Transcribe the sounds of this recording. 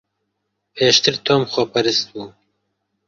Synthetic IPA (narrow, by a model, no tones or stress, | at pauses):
pʰeːʃt̪ɨɾt̪ʰoːmxɔpʰɐɾɨst̪̚buː